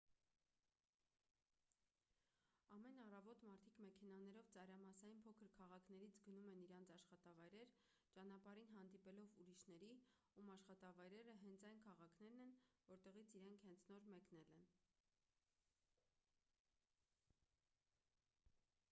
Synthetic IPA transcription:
ɑmɛnɑrɑvɔt̪mɑɾt̪ʰikmɛkʰɛnɑnɛɾɔvt͡sɑɾɑmɑsɑjinpʰɔkʰəɾkʰɑʁɑkʰnɛɾit͡sʰɡənumɛniɾɑnt͡sʰɑʃχɑt̪ɑvɑjɾɛɾ | t͡ʃɑn̪ɑpɑɾinɦɑnd̪ipɛlɔvuɾiʃnɛɾi | umɑʃχɑt̪ɑvɑjɾɛɾəɦɛnt͡sʰɑjnkʰɑʁɑkʰnɛɾnɛnvɔɾt̪ɛʁit͡sʰiɾɛŋkʰhɛnt͡sʰnɔɾmɛkn̪ɛlɛn

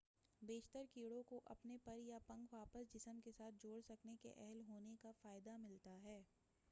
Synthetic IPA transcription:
beːʃt̪əɾkiːɽõkoʔɐ̰pnepɐɾjapɐ̃ŋɡʋaːpəsd͡ʒɪsəmkesaːt̪̚ʰd͡ʒoːɽsɐknekḛʔɛɦɛlɦoːnekafaːɪd̪amɪlt̪aɦɛː

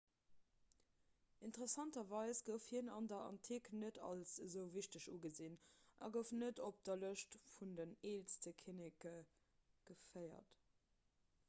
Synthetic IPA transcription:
intʁəsɑntɐvɑɪsɡ̥əʊfhiənɑ̰ndɐʔɑ̰ntʰiknətɑ̰lszəʊviɕtəʃuːɡəzinʔɑ̰ɡəʊfnətop̚d̥ɐləʃtfundəneːlstəkʰinikə | ɡ̥əfɜɪɐ̰t

